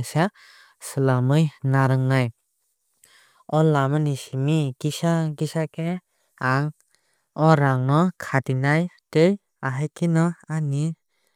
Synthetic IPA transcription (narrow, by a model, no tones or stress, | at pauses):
sa | sɯlamɯjnaɾɯŋnaj | ɔlːamanisimiɡ̥isaɡisake | aŋ | ɔɾaŋnɔkʰadinajtɯj | aɦajkʰinɔani